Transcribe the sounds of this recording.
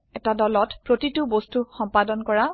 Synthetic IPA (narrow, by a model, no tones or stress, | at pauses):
ɛtadɔlɔtpɹotitubostuxɔmpadɔnkɔɹa